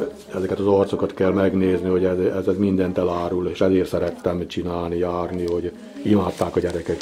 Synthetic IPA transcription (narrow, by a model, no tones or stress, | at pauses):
ɛzɛkɛt̪ɒzort̪sokɒt̪kɛlmɛɡneːzniho̞ɟɛzɛzɛzmind̪ɛnt̪ɛlaːɾuleːʃɛzeːrsɛɾɛt̪ːɛmt͡ʃinaːlnijaːrniho̞ɟ | imaːt̪ːaːkɒɟɛɾɛkɛk